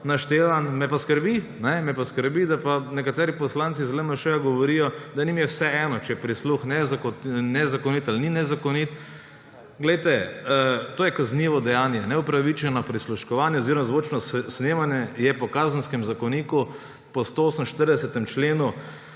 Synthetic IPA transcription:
naʃt̪eːʋanmɛpaskəɾbinɛmɛpaskəɾbid̪apanɛkat̪ɛːɾipɔslantsizlɛnaʃɛjaɡɔʋɔɾijɔd̪animjɛwsɛɛːnɔt͡ʃɛɛpɾisluxnɛzknɛzakɔniːt̪alninɛzakɔnit̪ | ɡlɛjt̪ɛ | t̪oːjɛkazniʋɔd̪ɛjaːnjɛnɛupɾaʋit͡ʃɛnɔpɾisluʃkɔʋaːnjɛɔziɾɔmazʋot͡ʃnɔsnemanjɛjɛpɔkaːzənskɛmzakɔniːku | pɔst̪ooːsəmʃt̪əɾd̪ɛsɛt̪ɛmt͡ʃleːnu

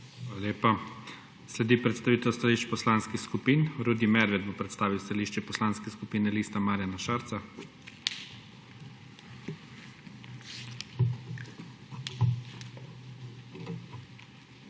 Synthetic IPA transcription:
xalaleːpa | slɛd̪ipɾɛt̪st̪aʋiːt̪ɛwst̪aliʃt͡ʃpɔslanskixskupinɾud̪imɛɾʋɛd̪̚bopɾɛt̪st̪aːʋiwst̪aliːʃt͡ʃɛpɔslanskɛskupiːnɛlist̪amaːɾjanaʃaɾt̪sa

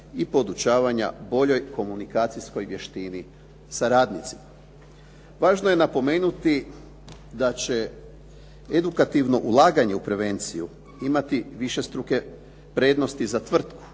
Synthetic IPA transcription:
ipo̞d̪ut͡ʃaːʋaɲa̰bo̞ʎo̞jko̞munikaːt̪sisko̞jʋje̞ʃt̪ini | saɾaːd̪nit̪si̥ma | ʋaːʒnoje̞napo̞me̞ːnut̪i | d̪at͡ɕe̞ | ed̪ukat̪iʋno̞ʔulˠaːɡaɲe̞upɾe̞ʋe̞nt̪siju | imat̪iʋiʃe̞st̪ɾuke̞ | pɾe̞ːd̪nost̪izat̪ʋr̩t̪ku̥

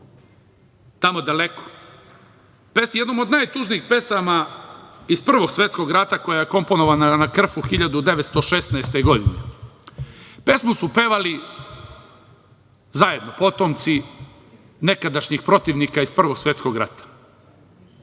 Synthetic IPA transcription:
t̪amod̪aleko̥ | pesijed̪nomod̪najt̪uʒniiːxpe̞sama | ispr̩ʋo̞ɡsʋe̞t̪sko̞ɡɾat̪ako̞jajeko̞mpo̞no̞ʋananakr̩fuxiʎad̪ud̪e̞ʋet̪st̪oʃesnaest̪eɡo̞d̪ine | pe̞smusupe̞ʋali | zaje̞d̪nopo̞t̪omt̪si | ne̞kad̪aʃɲixpɾo̞t̪iʋnikaispr̩ʋo̞ɡsʋe̞t̪sko̞ɡɾa̰t̪ḁ

